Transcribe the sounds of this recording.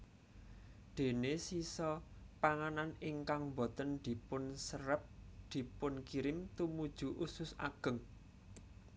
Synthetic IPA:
d̪̥e̤nesisɔpaŋananɪŋkaŋmbɔt̪ənd̪̥i̤pʊnsəɾəp̚d̪̥i̤pʊnkiɾɪmt̪umud̥ʒ̥ṳʔusʊsa̰ɡ̥ə̤ŋ

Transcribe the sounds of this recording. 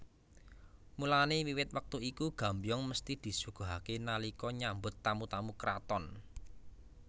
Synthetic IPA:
mulanewiwɪt̪̚wək̚t̪uikuɡ̥a̤mbjɔŋməst̪id̪̥i̤suɡ̥o̤ɦakenalikɔɲambʊt̪ːamut̪amukɾat̪ɔn

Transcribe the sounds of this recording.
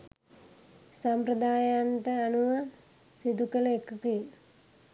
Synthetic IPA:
sampɾəd̪aːjaɳʈəanuʋa | sid̪ukələekəkijə

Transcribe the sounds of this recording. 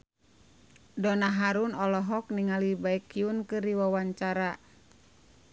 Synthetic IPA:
dɔnaɦaɾunɔlɔɦɔk̚niŋalibaikːiunkɨriwawaɲt͡ʃaɾa

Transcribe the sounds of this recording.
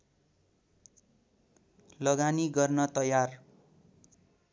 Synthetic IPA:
lʌɡaniɡʌrnʌt̪ʌjar

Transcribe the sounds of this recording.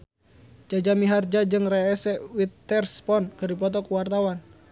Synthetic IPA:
d͡ʒad͡ʒamiɦard͡ʒad͡ʒɨŋrɛɛsɛwit̪ːɛrspɔnkɨrdip̬ɔt̪̬ɔkuwart̪awan

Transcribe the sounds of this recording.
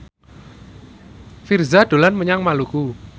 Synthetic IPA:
firzaɖ̪̥o̤lanməɲaŋmaluku

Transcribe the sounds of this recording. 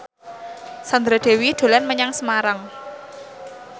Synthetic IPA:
sand̪ɾaɖ̪̥e̤wid̪̥o̤lɛnməɲaŋsəmaɾaŋ

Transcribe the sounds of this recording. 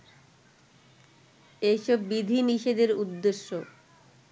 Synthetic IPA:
ejʃɔbːid̪ʱiniʃed̪eɾud̪ːeʃːo

